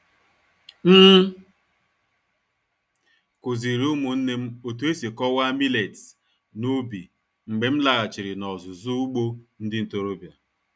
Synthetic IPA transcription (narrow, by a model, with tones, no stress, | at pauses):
m̩ː˦ | ko˨zi˨ɾi˨˦u˦mu˨n̩˦ne˦m̩˦o˨tu˨e˦si˨kɔ˦wa˦mi˦le˨t | nu˦bi˨ | ŋ͡m̩˨ɡ͡be˨m̩˦la˨ɣa˨t͡ʃɪ˨ɾɪ˨nɔ˨zʊ˨zu˦u˦ɡ͡bo˦n̩˦dɪ˦n̩˨to˨ɾo˦bja˨